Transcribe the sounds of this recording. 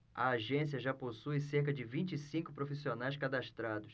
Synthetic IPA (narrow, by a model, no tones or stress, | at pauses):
ɐ̰aʒẽsiɐʒaposujseɾkɐd͡ʒɪvĩt͡ʃɪsĩŋkʊpɾofisionajskad̪aʃt̪ɾad̪ʊs